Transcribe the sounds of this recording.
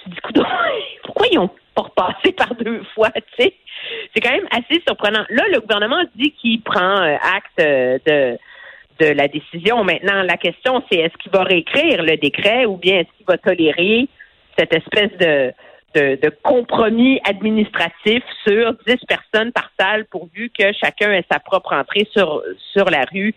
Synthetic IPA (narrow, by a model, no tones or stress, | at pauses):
t̪yd̪ikud̪ɔ̃pʊʁ̥kwailɔ̃ | pɔʁpɑːsepaʁd̪øfwasesɛkɑ̃mɛ̃masesyʁpχənɑ̃laləɡuvɛʁnəmɑ̃d̪ikʲipχɑ̃øʔakt̪ød̪ə | d̪əlad̪esizjɔ̃mɛ̃t̪̚nɑ̃lakʲɛst̪jɔ̃sɛɛskʲivaʁeːkχiːʁləd̪ekχɛubjɛ̃ɛskʲivat̪ɔleʁe | sɛt̪ɛspɛsd̪ə | d̪̥əd̪əkɔ̃pχɔmiad̪minist̪χat̪ifsyʁd͡z̪ɪspɛʁsɔnpaʁ̥salpuʁvykʲəʃakʲœ̃ɛsapχɔpχɑ̃t̪χesyʁsyʁlaʁy